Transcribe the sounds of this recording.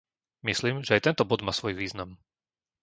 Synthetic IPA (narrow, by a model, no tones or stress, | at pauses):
misliːmʒɛajt̪ɛnt̪ɔbɔd̪maːsʋɔjʋiːznam